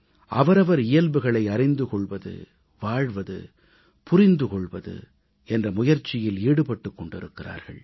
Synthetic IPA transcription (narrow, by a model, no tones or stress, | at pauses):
ʔɐ̰ʋɐɾɐʋɐɾɪjɐlbɯɣɐɭɐɪɐrɪnd̪ɯkɔɭʋɐðɯ̰ | ʋaːɻʋɐðɯ̰ | pʊrɪnd̪ɯkɔɭʋɐðɯ̰ | ɛndrɐmʊjɐɾt͡ʃːɪjɪliːɽɯpɐʈːɯkːɔɳɖɪɾɯkːɪra̰ːɾɣɐ̰ɭ